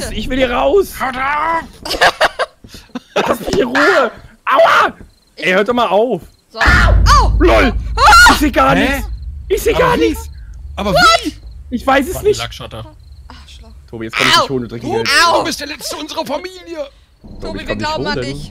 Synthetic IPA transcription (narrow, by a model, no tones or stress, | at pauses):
sɪçv̥ɪldiːɐʁaʊsada | apɪ̥iːʁuːəʔaa | ɛɐhøːɐtdɔmaːlʔaʊf | lɔlɪçz̥eːɡaːɐnɪçt͡sʔɪçz̥eːɡaːɐnɪt͡sʔaːbɐviʔɪçv̥aɪs̬ɛsnɪçkatɐ | tʰoːbijɛt͡sskʰanmitʰoːndədʁɪkɛʊbɪstd̥ɛːɐlɛt͡səʊnzəʁɐfamiːljə | tʰːobkanoː